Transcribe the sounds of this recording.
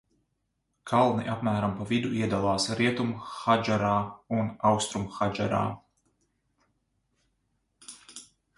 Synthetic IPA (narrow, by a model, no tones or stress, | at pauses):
kʰalˠniʔapmæːɾampavid̪uʔiɛd̪alˠɑːsɾiɛt̪umxad͡ʒaɾaːunawkst̪ɾumxad͡ʒa̰ɾa̰ː